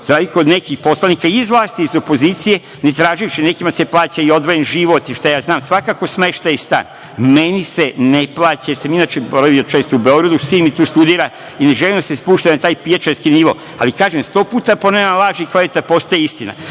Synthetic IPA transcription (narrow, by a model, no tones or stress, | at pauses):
zɾaʋikood̪nekixpo̞slˠanikaiizʋlˠaːst̪iːzo̞po̞ziːt̪sije̞ | ne̞t̪ɾaːʒijuʃine̞kimase̞plˠaːt͡ɕaio̞d̪ʋojenʒiʋo̞t̪iʃt̪ajaːznaːmsʋakako̞sme̞ʃt̪ajist̪a̰ːn | me̞niseneplaːt͡ɕasaminaːt͡ʃeboɾaʋiot͡ʃeːst̪oubeo̞ɡɾad̪usimit̪uːst̪ud̪iːɾa | ine̞ʒelimd̪ase̞spuːʃt̪anat̪aːjpijat͡ʃeɾskiniʋo̞̰ | a̰likaːʒemst̪o̞ːpuːt̪aponenalaːʒikleʋet̪apo̞st̪ajeist̪ina̰